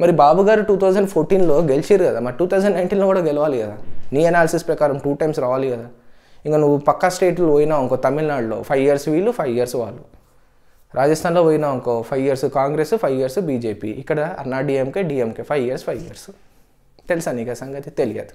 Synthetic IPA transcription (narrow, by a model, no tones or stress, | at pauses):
mɐɾibaːbuɡaːɾuʈuːt̪ʰɐwd͡ʒɐɳɖpʰoːɾʈiːnlo̞ːɡelit͡ʃeːɾukɐd̪aːmɐɾiʈuːt̪ʰɐwd͡ʒɐɳɖnɐjnʈiːnloːkuːɽaːɡɛlɐʋaːlikɐd̪aːniːɐnaːlɐsispɾɐkaːɾɐmʈuːʈɐjmsɾaːʋaːlikɐd̪aː | iŋkanuʋːupɐkːɐsʈeːʈulʋoːjinaːʋuŋkoːt̪ɐmilnaːɽlo̰ːpʰɐjʋijɐɾsʋiːlːupʰɐjʋijɐɾsʋa̰ːɭːu | ɾʔaːd͡ʒɐst̪ʰaːnlo̞ːʋoːjinaːʋuŋkoːpʰɐjʋijɐɾsukaːŋɡɾesupʰɐjʋijɐɾsubiːd͡ʒeːpḭːikːɐɽɐːnaːɖiːemkeːɖiːemkeːpʰɐjiɐɾspʰɐjʋijɐɾsu̥ | t̪elisaːniːkɐsɐŋɡɐt̪it̪elija̰ːd̪u̥